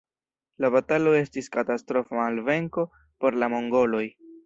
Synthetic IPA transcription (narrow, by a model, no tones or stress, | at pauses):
labatalo̞e̞stiskatastɾo̞faalve̞ŋko̞ | po̞ɾlamo̞ŋɡo̞lo̞j